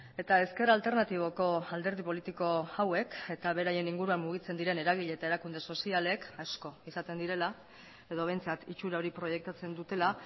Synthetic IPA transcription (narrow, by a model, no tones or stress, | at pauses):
e̞t̪ae̞ske̞ralt̪e̞ɾnat̪iβ̞o̞ko̞ald̪eɾðipo̞lit̪iko̞awe̞ke̞t̪aβ̞e̞ɾaje̞niŋɡuɾuammuɣ̞it͡se̞nd̪iɾe̞ne̞ɾaɣ̞iʎe̞ːt̪ae̞ɾakund̪e̞so̞siale̞kasko̞isat̪e̞nd̪iɾe̞la | e̞ð̞o̞βe̞jnt͡sat̪it͡ʃuɾao̞ɾipɾo̞je̞k̚t̪at͡se̞nd̪ut̪e̞la